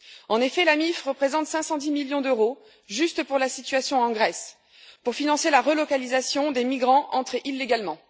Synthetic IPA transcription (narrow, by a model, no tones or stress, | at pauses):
ɑ̃nefɛlamifʁəpχezɑ̃t̪sɛ̃sɑ̃d̪imiljɔ̃d̪øʁo | ʒyst̪əpuʁlasit̪ɥasjɔ̃ɑ̃ɡʁɛs | puʁfinɑ̃selaʁəlɔkalizasjɔ̃d̪emiɡʁɑ̃ʔɑ̃t̪χʔilːeɡalmɑ̃